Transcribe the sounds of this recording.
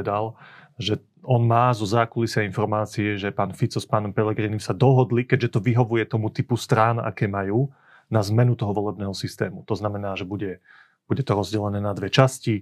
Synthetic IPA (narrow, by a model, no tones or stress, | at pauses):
d̪alʒɛ | ɔnmaːzɔzaːkulisɛinfɔɾmaːt͡siɛʒɛpaːnfit͡sɔspaːnɔmpɛlɛɡɾiːnimsad̪ɔɦɔd̪likɛɟʒɛt̪ɔʋiɦɔʋujɛt̪ɔmut̪ipust̪ɾaːna̰kɛːmajuː | nazmɛnut̪ɔɦɔʋɔlɛbnɛːɦɔsist̪ɛːmut̪ɔznamɛnaːʒɛbuɟɛ | b̥uɟɛt̪ɔɾɔzɟɛlɛnɛːnad̪ʋɛt͡ʃasci